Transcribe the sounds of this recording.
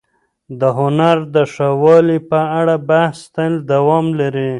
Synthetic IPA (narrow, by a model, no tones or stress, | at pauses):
d̪əɦʊnaɾd̪əʂawɑlipəaɽabahst̪ald̪awɔmlaɾi